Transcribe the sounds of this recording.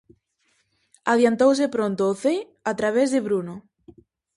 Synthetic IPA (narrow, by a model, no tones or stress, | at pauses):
aðjant̪ows̬ɪpɾont̪oːθej | at̪ɾaβ̞ezðɪβɾuno